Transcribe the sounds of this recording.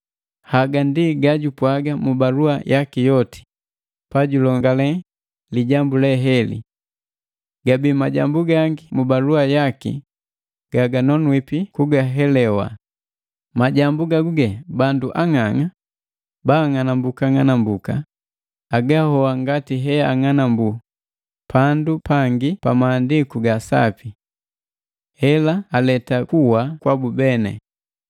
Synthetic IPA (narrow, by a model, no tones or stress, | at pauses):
haɡandiɡaɟupwaɡamubaluajʔakijɔti̥ | paɟulɔŋɡalɛ | liɟambulɛɦɛlḭ | ɡ̥abimaɟa̰mbuɡaŋɡimubaluajakḭ | ɡ̥aɡanɔnwipikuɡaɦɛlɛwa̰ | maɟambuɡaɡuɡɛbanduʔaŋaŋa | baːŋanambukaŋanambuka̰ | aɡahɔaŋɡatiɦɛaŋanambu | pandupaŋɡipamaːndikuɡasa̰pi | hɛlaːlɛtakuwakwabubɛnɛ̰